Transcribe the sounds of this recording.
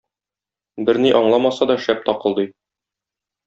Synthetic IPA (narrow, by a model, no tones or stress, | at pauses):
bɘɾniʔɒɴlˠɑmɑsɑd̪ɒʃæp̚t̪ɒqɤ̆lˠd̪ɤj